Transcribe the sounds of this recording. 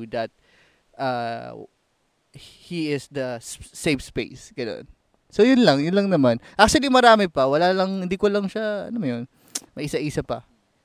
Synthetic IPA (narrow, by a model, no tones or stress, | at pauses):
d̪ɐt̪̚ | ʔaː | hiɪsd̪ɐsejfspḛjsɡ̥ɐno̞̰n | sojʊnlɐŋjʊnlɐŋnɐmanʔak̚t͡ʃʊɐlimɐɾaːmɪpɐwɐlaːlɐŋhɪnd̪iːkolɐŋʃaɐ̰nomɐjon | mɐʔɪsɐʔiːsɐpɐ̰